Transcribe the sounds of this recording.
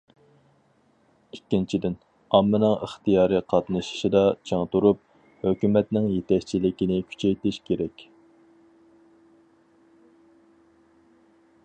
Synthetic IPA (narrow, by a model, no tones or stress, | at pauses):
ikʲːint͡ʃʰid̪ɪn | ɑmːɨnɨŋəχt̪ijɑːɾɨqʰɑt̪nɨʃi̥ʃid̪ɑt͡ʃʰeŋt̪uɾup̚ | høkʲymɛt̪nɪŋjet̪ɛkʲt͡ʃʰilɪkʲinɪkʲʰy̥t͡ʃʰɛjt̪ɪʃkʲʰeɾɛkʲ